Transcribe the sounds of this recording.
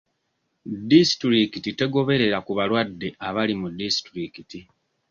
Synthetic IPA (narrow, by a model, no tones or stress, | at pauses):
distɾikitite̞ɡo̞βe̞ɾe̞ɾakuβalwadːe̞ʔaβalimudisi̥tɾikiti